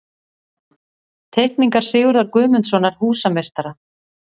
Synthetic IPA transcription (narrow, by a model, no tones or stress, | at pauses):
t̪ʰehkniŋkaɾ̥sɪːɣʏɾðaɾkʏːmʏnt̪sɔnaɾ̥huːsamest̪aɾa